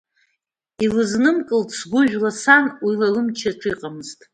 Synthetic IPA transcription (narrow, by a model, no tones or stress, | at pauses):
ilɨznɨmkʼɨltʼsɡʷʊʒᶣlasanwilalɨmt͡ʃʰaʈ͡ʂʰiqʼamɨztʼ